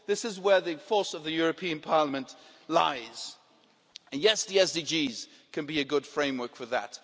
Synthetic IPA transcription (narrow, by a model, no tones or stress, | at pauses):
ðɪsɨzwə˞ðɨfɔɹsʌvðɨjʊɹɨpʰĩɨ̃npʰɑɹləmɨ̃nʔ | la̰ɪz̥ | ɨ̃njɛsdiɛsd̥id͡ʒiz̥ | kʰɨ̃nbiɨɡʊd̥fɹẽɪ̃mwɜ˞kfə˞ðə̰t